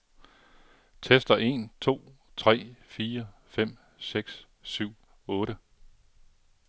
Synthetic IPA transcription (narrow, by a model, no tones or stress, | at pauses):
t͡sʰesd̥ɐʔe̝̰ːnt͡sʰo̝̰ːt͡sʰʁɛ̰ːfiːɐfem̰ | seɡ̥s | syʊ̰ | ɔ̽ːɾə